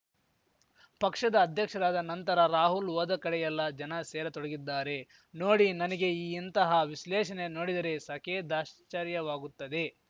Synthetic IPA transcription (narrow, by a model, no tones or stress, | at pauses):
pɐkʂɐd̪ɐːd̪ʱjɐkʂɐɾaːd̪ɐnɐnt̪ɐɾɐɾaːɦulʋɔːd̪ɐkɐɽɛjɐlːɐd͡ʒɐnɐseːɾɐt̪ɔɽɐɡid̪ːaːɾe̞ | noːɽinɐnɐɡe̞iːint̪ɐɦɐʋislɛːʃɐne̞no̞ːɽid̪ɐɾe̞sɐkeːd̪aːʃt͡ʃɐɾjɐʋaːɡut̪ːɐd̪e̞